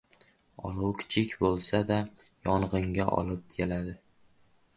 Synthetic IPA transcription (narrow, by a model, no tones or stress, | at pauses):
ɒ̰lˠuwkʲʰɪ̥t͡ʃʰɪkʲbolˠsad̪a | jɒɴʁɨŋɡʲaʔɒ̰lˠɪp̚kʲʰelad̪ɪ